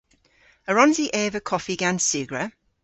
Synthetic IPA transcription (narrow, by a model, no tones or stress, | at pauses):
əɹɔ̃nziʔɛːvəkʰɔfiɡansʉːɡɹə